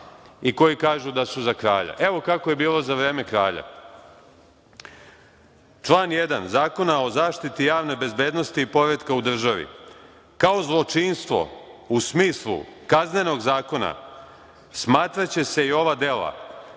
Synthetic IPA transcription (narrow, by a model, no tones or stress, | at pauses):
iko̞jikaːʒud̪asuzakɾa̰ːʎa̰ʔe̞ʋo̞kako̞je̞biːlˠo̞zaʋɾe̞ːme̞kɾa̰ːʎa̰ | t͡ʃlˠaːnjed̪anzaːko̞nao̞zaːʃt̪it̪ijaːʋne̞be̞zbe̞ːd̪no̞st̪iipo̞ɾed̪kaud̪r̩ʒaʋḭ | kao̞zlˠo̞t͡ʃinst̪ʋo̰usmiːslˠṵkazne̞no̞ɡzaːko̞na̰ | smaːt̪ɾat͡ɕe̞se̞io̞ʋad̪e̞la̰